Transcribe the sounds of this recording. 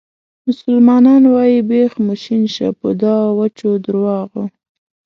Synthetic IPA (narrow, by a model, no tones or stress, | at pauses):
mʊsʊlmɑnɑnwɑjibexmʊʃinʃa̰pʊd̪ɑwat͡ʃod̪əɾwɑɣo